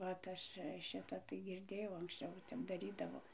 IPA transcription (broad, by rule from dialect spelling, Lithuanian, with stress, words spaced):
ʋɐt ˈɐʃ ˈʃʲɪtɐ tɐɪ ɡʲɪrʲˈdʲeːjɛʊ ɐŋksʲˈt͡ʃʲɛʊ ˈtʲɛp dɐˈrʲiːdɐʋoː